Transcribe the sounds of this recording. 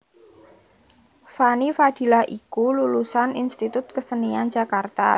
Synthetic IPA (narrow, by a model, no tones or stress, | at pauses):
fanifad̪̥i̤laʔikululusaninst̪it̪ʊt̪̚kəsəniand͡ʒa̤kart̪a̰